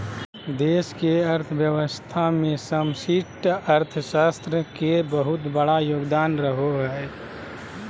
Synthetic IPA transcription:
d̪eːskeəɾt̪ʰəʋjəʋəst̪ʰamẽsəmsiʈəɾt̪ʰəʃaːst̪ɾəkebəɦʊt̪bəɽajoːɡd̪aːnɾəɦoɦɛː

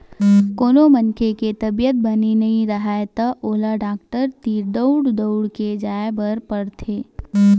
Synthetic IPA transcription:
koːnomənkʰeket̪ɐbijət̪̚bɐninɐɦĩɾɐɦaet̪aʔoːlaɖaːkʈəɾt̪iːɾd̪əʊɽd̪oʊɽked͡ʒaːebəɾpɐɽt̪ʰeː

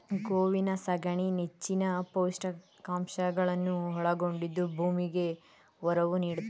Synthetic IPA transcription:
ɡoːʋinɐsɐɡɐɳinet͡ʃːinɐpoːsʈɐ | kaːmʃɐɡɐɭɐnːuɦɔɭɐɡo̞ɳɖid̪ːubʱuːmiɡe̞ | ɔɾɐʋuniːɽu

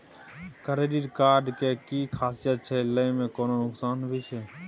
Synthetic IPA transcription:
kəɾeɖiɾkaɾɖkekikʰaːsijət̪̚t͡ʃʰɛləimẽkoːnonʊksaːnbʱit͡ʃʰɛ

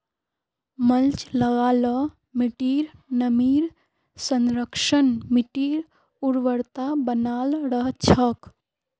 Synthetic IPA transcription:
məlt͡ʃləɡaːlə | mɪʈiːɾnəmiːɾ | sənɾəkʃənmɪʈiːɾ | uɾʋəɾt̪abənaːlɾəɦt͡ʃʰək

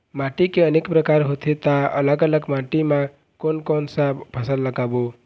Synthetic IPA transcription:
maʈikeənekpɾəkaɾɦot̪ʰet̪aə̰ləɡələɡmãʈimã | konkɔnsapʰəsəlːəɡabo

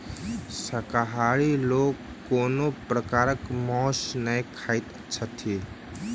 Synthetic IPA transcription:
səkaɦaɾiloɡ | kːonopɾəkaɾəkmɔ̃snəjkʰajt̪ | t͡ʃʰət̪ʰi

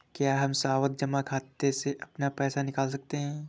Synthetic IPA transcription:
kjaːɦɐmsaːʋət̪̚d͡ʒɐmakʰaːt̪eseʔɐpnapɛːsanɪkaːls̬ɐk̚t̪eɦɛ̃ː

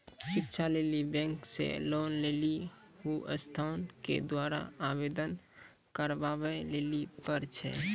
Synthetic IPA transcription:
ʃɪkt͡ʃʰalelibɛ̃ŋksḛlonleli | ɦuʔə̰st̪ʰankḛd̪waɾa̰abed̪ən | kəɾbabɛlelipəɾt͡ʃʰɛ̰

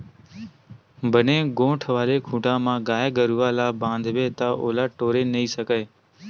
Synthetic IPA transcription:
bʱənẽːɡõːʈʰʋaːleːkʰũːʈãːmãːɡaːeːɡəɾuːʋaːlaːbãːnd̪ʱʋeːt̪aːʔo̰ːlaːʈoːɾeːnəiːsəkeː

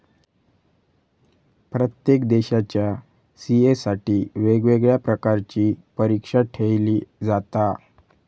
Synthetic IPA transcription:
pɾət̪jekd̪eɕat͡ɕja | siesaʈiːʋeɡʋeɡɭjapɾəkaɾt͡ɕiːpəɾikʂaʈʰeɭliːd͡zat̪a

